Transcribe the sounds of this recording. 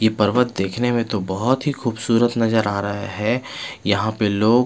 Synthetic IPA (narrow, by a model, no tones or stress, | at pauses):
jepɐɾʋət̪̚d̪eːkʰnemẽt̪obɔɦʊt̪ɦixuːbsuːɾət̪nɐzəɾaːɾɐɦaɦɛːjɐɦãpeloːɡ